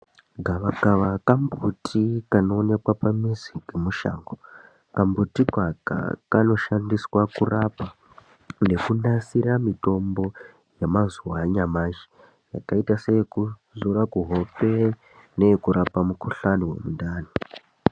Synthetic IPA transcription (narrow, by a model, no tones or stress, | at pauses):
ɡʱaʋaɡaʋakambutʰikano̞ːnekwapamiziɡʱemuʃa̰ːŋɡo | kambutikaka̰kano̞ʃandiswakurapa | ne̞kunasiɾamito̞mbo̞ | jemazuwaɲamaʒe | ja̰kaitasekuzuɾakuɦo̞pe̞ | nekuɾʔapamukuɬanowe̞̰mundaːno